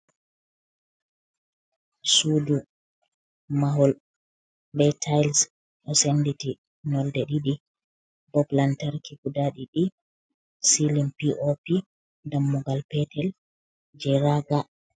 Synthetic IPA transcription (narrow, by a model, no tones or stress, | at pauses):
sudu | maɦɔl | bɛtʰajls | ʔɔsenditi | nɔldɛɗiɗi | bɔplantaɾkikudaɗiɗi | silimpiʔopi | damːuɡalpɛtʰɛl | d͡ʒɛɾaɡa